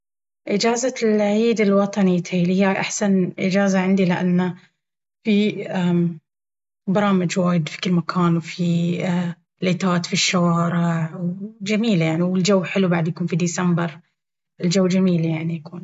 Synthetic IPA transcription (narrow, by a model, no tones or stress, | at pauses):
ʔɪd͡ʒaːzalʕiːd̪ɪlwɑt̪ˤɑnit̪ʰilhɪjːaʔaħsanʔɪd͡ʒaːzaʕɪnd̪ilɪʔa̰nːa | fiʔa | bɑɾˤɑːmɪd͡ʒwaːjɪd̪fi̥kɪlmakʰaːnwfi | leːt̪aːt̪fiʃːawɑːɾɪʕwd͡ʒamiːljaʕniwɪld͡ʒawːħɪlubaʕd̪jakuːnfid̪iːsambɑɾˤ | ɪld͡ʒawːd͡ʒamiːljaʕnijakuːn